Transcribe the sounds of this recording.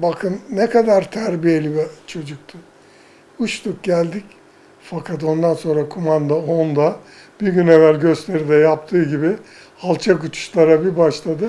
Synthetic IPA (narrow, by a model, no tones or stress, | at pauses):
bakʰɯnːɛkʰad̪aɾt̪ʰæɾbije̞lʲibit͡ʃʰo̞d͡ʒuk̚t̪ʰɯ | uʃt̪uk̚ɟælʲd̪ic | fakʰat̪̬o̞nd̪anso̞nɾakʰumand̪aond̪a | b̥iɾɟynɛvælʲɟø̞st̪ʰe̞ɾid̪ɛjap̚t̪ʰɯːɟibiɪ | alˠt͡ʃʰakut͡ʃʰu̥ʃlˠaɾabibaʃlˠad̪ɯ